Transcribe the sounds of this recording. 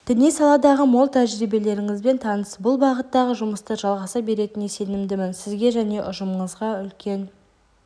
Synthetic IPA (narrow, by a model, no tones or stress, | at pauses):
d̪̥ɪnijsɑlˠɑd̪ɑʁəmolˠt̪ʰæʒɾibe̞le̞ɾɪŋɪzbe̞nt̪ʰɑnəsbʊlˠbɑʁət̪ːɑʁəʒʊməst̪əʒɑlˠʁɑsɑbe̞ɾe̞t̪ɪnese̞nɪmd̪ɪmɪnsɪzɡʲe̞ʒæne̞ʔʊʒəməɴəzʁɑʏlkʲʰe̞n